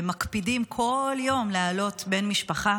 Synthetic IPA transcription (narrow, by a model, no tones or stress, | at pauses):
makpidimkʰo̞ljo̞mlealo̞tbe̞nmiʃpaχa